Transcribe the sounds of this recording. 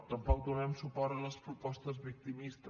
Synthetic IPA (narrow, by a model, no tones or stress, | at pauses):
t̪əmpɔk̚d̪unɛmsupɔɾələspɾupɔst̪əzβik̚t̪imist̪ə